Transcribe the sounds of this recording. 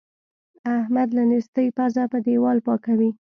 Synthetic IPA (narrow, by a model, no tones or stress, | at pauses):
ahmad̪lanist̪əjpazapəd̪ewɑlpɑkawi